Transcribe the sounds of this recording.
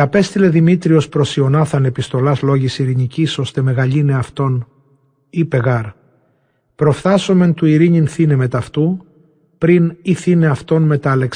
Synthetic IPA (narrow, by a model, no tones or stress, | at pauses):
ɐpe̞st̪ile̞ðimit̪ɾio̞spɾo̞sio̞nɐθɐne̞pist̪o̞lɐzlo̞ʝisiɾiɲiciso̞st̪e̞me̞ɣɐʎine̞ɐft̪o̞n | ipe̞ɣɐɾ | pɾo̞fθɐso̞me̞nt̪uiɾiɲinθineme̞t̪ɐft̪u | pɾiniθine̞ɐft̪o̞nme̞t̪ɐle̞ks